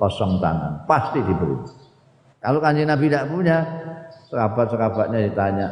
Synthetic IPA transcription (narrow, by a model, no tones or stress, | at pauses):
pɔsɔŋt̪a̰ŋa̰npast̪id̪ibəɾṵma | kalokaɲd͡ʒinabid̪aʔpuɲasəkabaʔ̪̚səkab̥aʔɲad̪it̪aɲa